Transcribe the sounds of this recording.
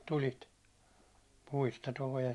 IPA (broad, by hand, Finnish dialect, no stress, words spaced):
tulit puistɑ tuleː